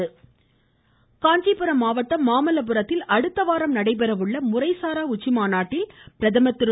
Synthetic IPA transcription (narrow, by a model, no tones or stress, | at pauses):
ɯ | kaːɲd͡ʒipɯɾɐmaːʋɐʈ̪ːɐmaːmɐlɐp̬ɯɾɐt̪ːɪlɐɽɯt̪ːɐʋaːɾɐmnɐɽɐɪp̬ɛɾɐʋɯɭːɐmʊɾɐɪsaːɾaːʊt͡ʃːɪmaːnaːʈːɪlpɪɾɐðɐmɐt̪ːɪɾ